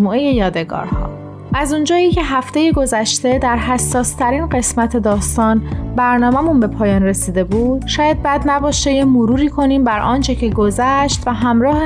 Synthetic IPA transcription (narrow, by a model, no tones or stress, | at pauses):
muːʔeje̞jɒːd̪e̞ɡɒ̰ːɾhɒ̰ː | ʔæzund͡ʒɒːicʰe̞ɦæft̪e̞je̞ɡo̞zæʃt̪e̞d̪æɾɦæsːɒːst̪ʰæɾiːnɢe̞smæt̪ʰe̞d̪ɒːst̪ɒːnbæɾnɒːmæmunbe̞pʰɒːjɒːnre̞siːd̪e̞buːd̪̥ʃɒːjæd̪̚bæd̪næbɒːʃt̪ejemoɾuːɾiːkʰo̞niːmbæɾʔɒːnt͡ʃʰe̞cʰe̞ɡo̞zæʃt̪væɦæmɾɒːhe